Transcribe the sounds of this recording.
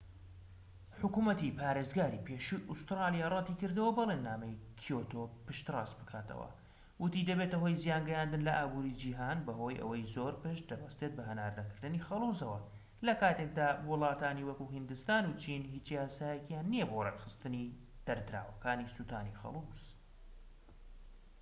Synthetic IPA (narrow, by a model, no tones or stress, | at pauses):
ħʊkuːmɐt̪ipaːɾeːzɡaːɾipʰeːʃuʔust̪ɾɑlˠijaːrˤɑt̪ikɨɾd̪ɨwɐbɐlˠenːaːmɐjkʰijot̪opɨʃt̪rɑːsbɨkʰaːt̪ʰɐ̰wɐ̰ | wɨt̪id̪ɐbet̪ɐɦo̞jzijaːnɡɛjand̪ɨnlɐʔaːbuːɾid͡ʒiːɦaːnbɐɦo̞ːjʔɐ̰wɐjzoːɾpɨʃtd̪ɐbɐst̪e̞t̪̚bɐɦɐna̰ːɾnɐkɨɾd̪ɨnixɐlˠuzɐwɐ | lɐkaːt̪ek̚d̪aːwɨlˠɑːt̪aːniwɐkuɦɨnd̪ɨst̪aːnut͡ʃʰinhit͡ʃjaːsaːjɛkjanːijɛbo̞rekxɨst̪ɨni | d̪̥ɐɾd̪ɨɾa̰ːwɐkaːnisuːt̪aːnixɐ̰lˠuz